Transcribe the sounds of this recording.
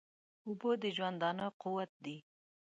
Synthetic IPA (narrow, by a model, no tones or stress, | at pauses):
ubod̪əʒwand̪ɑnəquwat̪̚d̪i